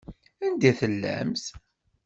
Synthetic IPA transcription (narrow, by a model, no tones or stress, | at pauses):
ænd̪æθəlːæ̰mθ